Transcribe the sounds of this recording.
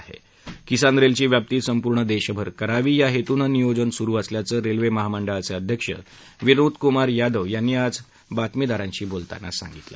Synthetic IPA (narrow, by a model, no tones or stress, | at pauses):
ɦḛ | kisand̪ɾelt͡ɕiːʋjap̚t̪iːt̪səmpuɾɳəd̪eɕəbʱəɾkəɾaʋiːjaɦet̪uːnənijod͡zənsuɾuːəsljat͡səːɾelʋeməɦaməɳɖəɭat͡seəd̪ʱjəkʂə̰ | ʋiɾud̪kumaɾjad̪əʋjanːiːad͡z | bat̪mid̪aɾãɲt͡ɕiːbolt̪a̰nːa̰sa̰ŋɡit̪la̰